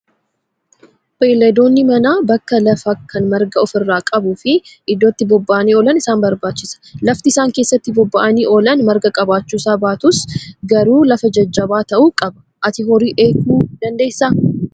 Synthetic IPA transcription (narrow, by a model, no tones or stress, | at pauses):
beːlːɐd̪o̞ːnːɪmɐnaːbɐkːɐlɐfɐkʰːɐnmɐɾɡɐɔfɪrːaːkʼɐbuːfɪʔɪd̪ːɔt̪ːɪbɔbːɐʔɐniːɔlɐnɪsaːnbɐɾbaːt͡ʃːɪsɐ̥lɐft̪ɪɪsaːŋke̞ːsːɐt̪ːɪbɔbːɐʔɐniːʔɔlɐnmɐɾɡɐkʼɐbaːt͡ʃːuːsaːbaːt̪ʊsɡɐɾuːlɐfɐd͡ʒɐd͡ʒːɐbaːt̪ɐʔuːkʼɐbɐ̥ | ʔɐt̪ɪhɔɾiːʔe̞ːkuːd̪̥ɐnd̪e̞ːsːa